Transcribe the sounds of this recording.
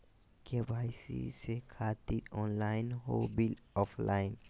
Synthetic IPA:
kebʱaːjsḭsekʰaːt̪iɾɔːnlaːɪnɦobɪlɔːfʰlaːɪn

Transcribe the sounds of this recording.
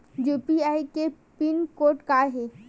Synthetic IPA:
jupiajkepinkoːʈkaɦe

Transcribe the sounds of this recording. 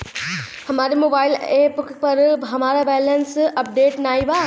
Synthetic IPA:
həmaɾimobaɪlepukpəɾɦəmaɾabɛlənsəp̚ɖeʈnajba

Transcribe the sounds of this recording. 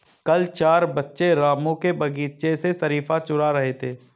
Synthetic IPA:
kɐlt͡ʃaːɾbɐtːʃeɾaːmõkebɐɡiːt͡ʃesesɐɾiːfat͡ʃʊɽaɾɐɦet̪ʰeː

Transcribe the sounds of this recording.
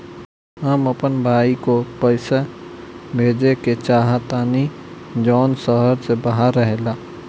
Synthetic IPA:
ɦəməpənbʱaːikopəɪsa | bʱeːd͡ʒeket͡ʃaːɦat̪aːni | d͡ʒɔːnsəɦəɾsebaɦaɾːəɦelaː

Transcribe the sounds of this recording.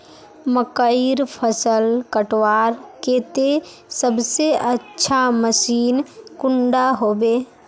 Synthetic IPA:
məkəiɾpʰəsəlkəʈwaːɾkeːt̪e | səbseʔətːʃʰaməsiːnkʊɳɖaɦoːbeː

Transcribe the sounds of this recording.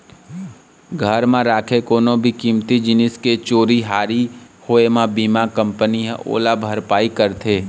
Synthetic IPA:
ɡʱəɾmãɾaːkʰekoːnõbʱikiːmt̪id͡ʒɪnɪsket͡ʃoːɾiɦaːɾi | hoːemãbiːmakə̃mpəniɦo̰ːlabʱəɾpaːikəɾt̪ʰeː

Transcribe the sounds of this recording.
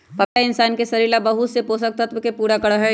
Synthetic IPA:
pɐkaɪnsaːnkesɐɾiːlabɐɦʊt̪sepoːsək̚t̪ət̪ʋkepuːɾakɐɽaɦɛ̃

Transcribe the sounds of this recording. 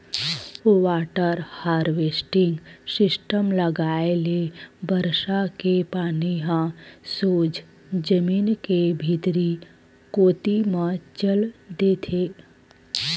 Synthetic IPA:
waːʈəɾhaːɾʋeːsʈɪ̃ŋɡsɪsʈəmləɡaːelebəɾʃakepaːniɦãsoːd͡ʒ | d͡ʒəmiːnkebʱit̪ɾi | koːt̪imə̃t͡ʃəld̪eːt̪ʰeː

